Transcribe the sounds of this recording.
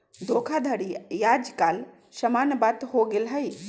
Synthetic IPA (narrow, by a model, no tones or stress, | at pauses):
d̪oːkʰad̪ʱəɽijaːd͡ʒkaːl | ʃɐmaːnbaːt̪hoːɡɪlɦəj